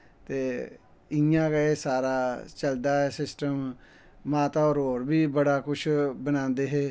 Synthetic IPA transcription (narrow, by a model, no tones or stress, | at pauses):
t̪eː | ɪjãːɡəeːsaːɾaːt͡ʃəld̪aːɦɛːsɪsʈəm | mãːt̪aːɔːɾɦoːɾbiːbəɽaːkʊʃʰbənãːnd̪eːɦeː